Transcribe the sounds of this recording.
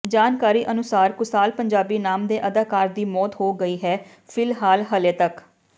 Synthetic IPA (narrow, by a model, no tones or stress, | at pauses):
d͡ʒaːnkaːɾiːʔənʊsaːɾkʊsaːlpəɲd͡ʒaːbiːnaːmd̪eːʔəd̪aːkaːɾd̪iːmɔːt̪ɦoːɡəiːɦɛː | pʰɪlɦaːlɦəleːt̪ək